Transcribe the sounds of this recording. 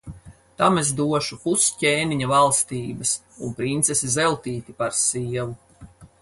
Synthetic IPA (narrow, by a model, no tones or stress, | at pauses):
t̪amezd̪uɔʃupusceːniɲavalˠst̪iːbɐs | unpɾint̪sesizɛlˠt̪iːt̪ipaɾsiɛvu